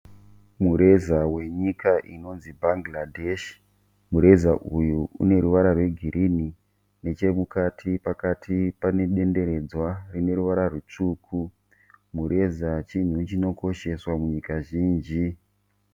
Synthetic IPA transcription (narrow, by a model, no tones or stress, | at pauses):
muɾe̞zawe̞ɲikaʔino̞nzibʱaŋɡladʱeʃ | muɾe̞zaʔujuṵne̞ɾuʋaɾarwe̞ɡʱiɾʔini | ne̞t͡ʃe̞mukatʰipakatʰipane̞ɗe̞nde̞ɾe̞d͡zwarine̞ɾuʋaɾarut͡ʂuːkʰu | muɾe̞zat͡ʃin̤ut͡ʃino̞ko̞ʃe̞swamuɲikaʒiːnd͡ʒi